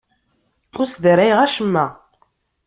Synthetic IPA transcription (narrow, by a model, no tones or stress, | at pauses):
ʊɾsðəɾæjʁæʃəmːæ